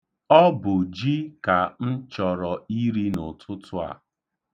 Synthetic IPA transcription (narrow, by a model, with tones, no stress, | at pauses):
ɔ˦bʊ˨d͡ʒi˦ka˨n̩˦t͡ʃɔ˨ɾɔ˨i˦ɾi˦nʊ˨tʰʊ˦tʊ˦a̰˨